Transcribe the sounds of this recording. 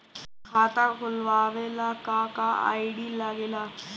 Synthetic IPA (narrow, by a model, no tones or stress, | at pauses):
kʰaːt̪akʰʊlʋaːʋelakakaa̰ːiɖilaɡeːla